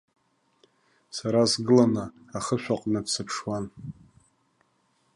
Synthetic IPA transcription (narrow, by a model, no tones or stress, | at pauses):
saɾasɡɨlanɨaχəʃʷᶣaqʼnɨdsɨpʰʂwan